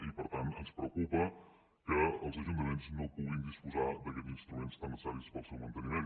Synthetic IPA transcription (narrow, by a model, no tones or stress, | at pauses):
ipəɾt̪ant̪ənspɾəwkupə | kəəlˠzəʒunt̪əment̪snowpuɣind̪ispuzad̪əkɛt̪inst̪ɾumenst̪anəsaɾispɔsumənt̪ənimen